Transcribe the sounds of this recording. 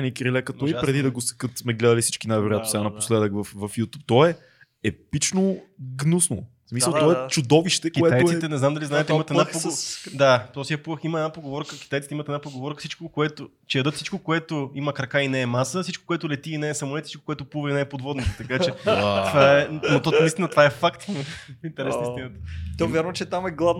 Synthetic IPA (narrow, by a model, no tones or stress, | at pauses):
nikɾilɛkɐt̪ɔipɾɛd̪id̪ɐɡosɛ̥kət̪smɛɡlɛd̪ɐəlisi̥t͡ʃkinajvoɾojat̪osɛɡanɐposlɛd̪əkvɐfvɐfjut̪up̚t̪ɔɛ | ɛpit͡ʃnoɡnusno | smisəlˠt̪ɔɛt͡ʃʊd̪ɔviʃt̪ɛkioɛt̪ajt̪it̪ɛnɛznamd̪ɐliznaɛt̪d̪imɐt̪ɛd̪aod̪at̪ɔsiapuvəximɐɛdnapɾoɡovɔɾkəki̥t̪ajt̪i̥t̪imət̪ɛd̪apɾoɡovɔɾkə̥sit͡ʃkokoɛt̪o | t͡ʃɛjɐd̪ɤt̪sit͡ʃkokoɛt̪ʊiməkɾɐkainɛːmasəsit͡ʃko̥koɛt̪ʊlɛt̪iːnɛːsɐmoʊlɛt̪sit͡ʃʃko̥koɛt̪ʊpuvəinɛɛpod̪vɔd̪nit̪ɛ̥t̪ɐkat͡ʃɛt̪vaɛmot̪ɔnist̪inət̪vaɛfakt̪mɐint̪ɛɾɛsnist̪inət̪ət̪ɔvʲjaɾvɐt͡ʃɛt̪amɛɡlˠavn